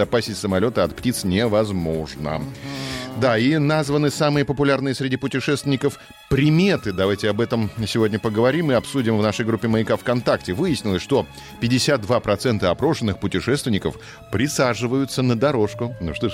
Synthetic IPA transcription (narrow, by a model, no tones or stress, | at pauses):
ɐpasʲɪtʲsəmɐlʲo̞t̪əɐt̪ptʲit̪snʲɪvɐzmo̞ʐnə̰ | d̪ainazvənɨsamɨjəpəpʊlʲarnɨjəsɾʲɪdʲipʊtʲɪʂɛst̪vʲɪnʲɪkəf | pɾʲɪmʲe̞t̪ɨd̪ɐvajtʲɪɐbɛt̪əmsʲɪvo̞dʲnʲəpəɡəvɐɾʲimɨɐpsudʲɪmvnaʂəjɡɾupʲːɪməɪkafkɐnt̪aktʲɪvɨjɪsʲnʲɪlˠəsʲʂt̪o̞ | pʲɪdʲɪsʲat̪̚d̪vapɾɐt̪sɛnt̪əɐpɾo̞ʂɨnːɨxpʊtʲɪʂɛst̪vʲɪnʲɪkəf | pɾʲɪsaʐɨvəjʊt̪sənəd̪ɐɾo̞ʂkʊnuʂt̪o